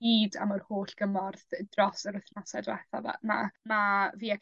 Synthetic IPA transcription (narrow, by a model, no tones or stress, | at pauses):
iːda̰mɔrhoːɬɡ̥əmɔrðdrɔsəɾʊθnɔsadwɛ̰θa̰va̰ma̰maviːakʰ